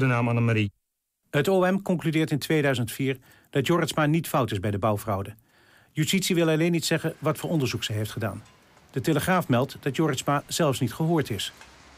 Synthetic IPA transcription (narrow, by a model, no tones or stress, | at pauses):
dənaːmanəmaɾi | ɦətoɛmkɔŋklydɪːɹtɪntʋejdœɥzəntfiːɹ | d̥ɑtjoːɹətsmaːnitfʌwtɪzbɛjdəbʌwvrɑwdə | jystitsiʋɪlˠɑlejnːitsɛχənʋɑtfʊːɹɔndəɹzuksɛɦejftχəda̰ːn | d̥əteləχraːfmɛlˠtd̥ɑtjoːɹəsmaz̥ɛlˠfsnitχəɦʊːɹtɪs